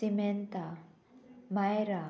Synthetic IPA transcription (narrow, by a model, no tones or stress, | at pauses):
siment̪a | majɾa